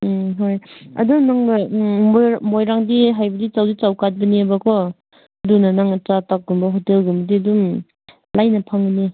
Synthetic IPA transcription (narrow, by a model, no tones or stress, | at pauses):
ɦojɐ̰dunaŋbamomojɾaŋdiɦajbɐdit͡ʃawdit͡ʃawkat̚bɐniabakʰɔ | dunanaŋt͡ʃatak̚ɡumbɐɦotelɡumbɐdiadum | lajnɐpʰaŋbəni